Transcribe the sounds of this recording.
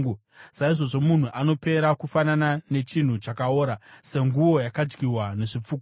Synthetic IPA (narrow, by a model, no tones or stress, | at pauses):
u | saiʐo̞ʐo̞mun̤uʔano̞pe̞ɾakufananane̞t͡ʃin̤ut͡ʃakaoːɾase̞ŋɡuʋo̞jakad͡ʒɡirwane̞ʐip͡fuːk